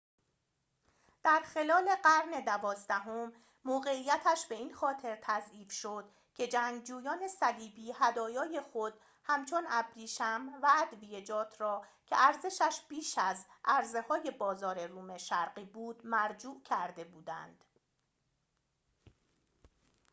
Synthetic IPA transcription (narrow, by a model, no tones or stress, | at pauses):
d̪̥æɾxe̞lɒːle̞ɢæɾne̞d̪ævɒːzd̪æɦo̞mː | oːɣe̞iːjæt̪ʰæʃbe̞iːnxɒːt̪ʰe̞ɾt̪ʰæziːfʃo̞d̪̥ | cʰe̞d͡ʒæŋɡd͡ʒuːjɒːne̞sæliːbiːhæd̪ɒːjɒːje̞xo̞d̪̥ | hæmt͡ʃʰo̞næbɾiːʃæmvæːd̪vije̞d͡ʒɒːt̪ʰɾɒːcʰe̞ʔæɾze̞ʃæʃbiːʃæzʔæɾze̞hɒːje̞bɒːzɒːɾe̞ruːmeʃæɾɢiːbuːd̪̥mæɾd͡ʒuːʔcʰæɾd̪e̞buːd̪æ̰nd̪̥